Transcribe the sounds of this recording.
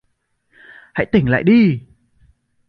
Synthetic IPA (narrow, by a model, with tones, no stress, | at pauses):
ha̰˧˥jt̪ï˨˩ŋ̟la̰ː˧˨jɗi˧